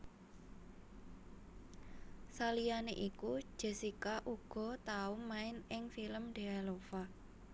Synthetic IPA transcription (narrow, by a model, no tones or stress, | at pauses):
salijaneʔiku̥ʒ̥ə̤sikaʔuɡ̥ɔ̤t̪aʊmmːaɪnɪŋfiləmɖ̪̥e̤alofa